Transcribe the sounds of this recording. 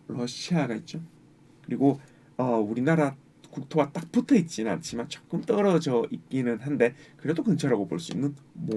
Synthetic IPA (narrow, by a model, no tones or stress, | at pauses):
ɾʌɕʰiaɡait̚t͡ɕ͈o | kɯɾiɡo | ʌuɾinaɾa | kuk̚tʰoɡat͈ak̚p͈ʰutʰʌit̚t͡ɕ͈inɯna̰nt͡ɕʰimant͡ɕ͈ʌ̥k͈ɯmt͈ʌɾʌd͡ʑʌʔik͈inɯnɦande̞kɯɾe̞dokɯnt͡ɕʰaɾaɡoboɭs͈uinːɯnm